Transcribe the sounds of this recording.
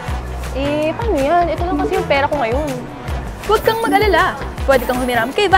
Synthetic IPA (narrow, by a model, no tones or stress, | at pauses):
ʔɛpaːnojanʔɛt̪olaŋkɐsijʊŋpɛːɾɐkoŋɐjo̞n | wɐɡ̚kɐŋmɐɡʔɐlɐlapwɛːd̪ɪkɐŋhʊmɪɾaːmkɐja